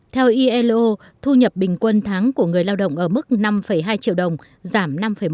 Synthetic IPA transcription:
t̪ʰɛ˧wʔi˧ʔɛ˧lʔo˧ | t̪ʰu˧ɲə˨˩p̚ɓï˨˩ŋ̟kwə˧nt̪ʰaː˨˦ŋku˧˩əŋɨ˨˩əjlaː˧wɗə̰˧˨wŋ͡mʔəː˧˩mɨ˦˥k̚na˧mfə˧˩jɦaː˧jt͡ɕḭ˧˨əwɗə˨˩wŋ͡m | zaː˧˩mna˧mfə˧˩j

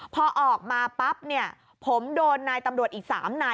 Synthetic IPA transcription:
pʰɔː˧ʔɔː˨˩k̚maː˧pa˦˥p̚ni˥˩ɐ | pʰo˩˦mdoː˧nːaː˧jt̪a˧mɾu˨˩ət̪ʔiː˨˩k̚sa̰ː˩˦mnaː˧

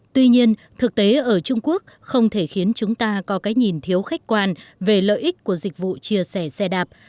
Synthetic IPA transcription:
t̪wi˧ɲi˧ən | t̪ʰɨ˨˩k̚t̪e˨˦ʔəː˧˩t͡ɕʊ˧ŋ͡mku˦˥ək̚ | xə˧wŋ͡mt̪ʰe˧˩xi˨˦ənt͡ɕʊ˨˦ŋ͡mt̪aː˧kɔ˨˦kaː˨˦jɲi˨˩nt̪ʰi˨˦əwxa˦˥k̟̚kwaː˧nve˨˩lə̰ː˧˨jʔï˦˥k̟̚ku˧˩əzï˨˩k̟̚vṵ˧˨t͡ɕi˧əsɛ˧˩sɛ˧ɗaː˨˩p̚

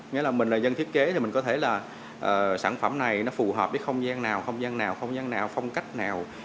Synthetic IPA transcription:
ŋi˧˥˦laː˨˩mï˨˩ŋ̟laː˨˩zə˧nt̪ʰi˦˥ət̚ke˨˦t̪ʰi˨˩mï˨˩ŋ̟kɔ˨˦e˧˩laː˨˩ | ʔəː˨˩saː˧˩nfə˧˩mna˨˩jnɔ˨˦fu˨˩ɦəː˨˩p̚ɓeː˨˦jxə˧wŋ͡mzaː˧ŋnaː˨˩wxə˧wŋ͡mzaː˧ŋnaː˨˩wxə˧wŋ͡mzaː˧ŋnaː˨˩wxə˧wŋ͡mka˦˥jk̟̚naː˨˩w

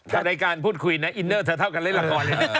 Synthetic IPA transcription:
t͡ɕa˨˩da˧jkaː˧npʰuː˥˩t̪̚kʰu˧jna˦˥ʔi˧nːəː˥˩t̪ʰɤː˧t̪ʰa˥˩wka˧nle˥˩nla˧kɔː˧˩nle˧˩˧

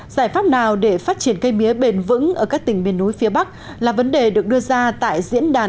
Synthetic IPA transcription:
zaː˧˩jfaː˦˥p̚naː˨˩wɗe˧˩faː˦˥t̚t͡ɕi˧˩ənkə˧jmi˨˦əɓe˧˩nvɨ̰˧˥ŋʔəː˧˩kaː˦˥k̚t̪ï˨˩ŋ̟mi˨˩ənːu˨˦jfi˨˦əɓa˦˥k̚ | laː˨˩və˨˦nɗe˨˩ɗɨ˨˩ək̚ɗɨ˧əzaː˧t̪a̰ː˧˨jzḭ˧˥ənɗaː˨˩

